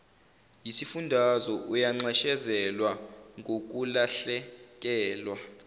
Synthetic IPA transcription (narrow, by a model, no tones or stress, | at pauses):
jisifundʱazɔʔujaŋ͡ǀɛʃɛzɛlwaŋɡʱok̬ulaɬɛk̬ʼɛːlwa